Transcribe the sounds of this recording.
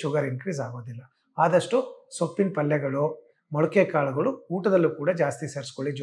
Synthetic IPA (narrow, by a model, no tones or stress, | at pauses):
ʃuɡɐɾiŋkɾiːzaːɡo̞ːd̪ilːɐ | aːd̪ɐʂʈusopːinpɐlːɛɡɐɭu | mɔɭɐkekaːɭɐɡɐɭuuːʈɐd̪ɐlːukuːɽɐd͡ʒaːst̪iseɐɾisi̥koɭːid͡ʒ